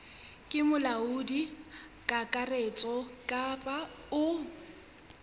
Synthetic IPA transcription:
kʼɪmʊlaʊdi | kʼakʼaret͡sʼɔkʼapʼa | ʊ

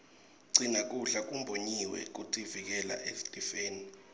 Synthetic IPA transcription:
ǀinak̬ʼuɬak̬ʼumbʱoɲiwɛ̰k̬utʰʼivik̬ɛla̰ʔeftʼifeːni

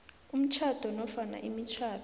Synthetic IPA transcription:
um̩t͡ʃʰad̥ʱɔnɔfana̰ʔimit͡ʃʰaːd

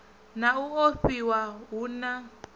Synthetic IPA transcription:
nauoɸiwaɦuna

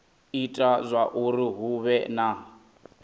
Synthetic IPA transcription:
itʼazʷaʔuɾiɦuβɛna

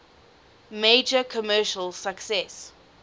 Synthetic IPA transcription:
meːd͡ʒəkʰɔmɜːʃəlsaksɛs

